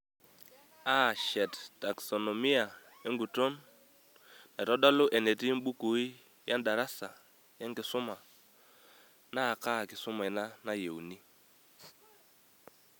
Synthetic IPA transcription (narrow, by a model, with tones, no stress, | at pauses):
a˦ʃɛ˨tta˨ksɔ˨nɔ˨mi˦a˨ | e˦ŋɡu˨tɔ˦n | na˨tɔ˦dɔ˦lʊ˦ʔɛ˨nɛ˨ti˦m˦ɓu˦ku˨˦i˦ | ja˦nda˨ɾa˦sa˨ | ja˦ŋkɪ˨sʊ˦ma˨ | na˦˨ka˦˨kɪ˨sʊ˦ma˨ɪ˨na˦na˦je˨wni˦